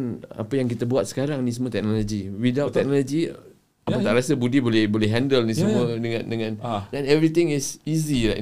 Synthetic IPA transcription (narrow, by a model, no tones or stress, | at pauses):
na̰pajaŋk̬it̪əbuat̪̚sə̥kaɾaŋnis̬əmũət̪ɛk̚nɔlod͡ʒiwidawt̪ːɛk̚nɔlod͡ʒi | apat̪aʔɾasəbudibolɛhbolɛɦandəlnisəmuədəŋãndəŋãndɛnɛvɾit̪ɪŋɪsizila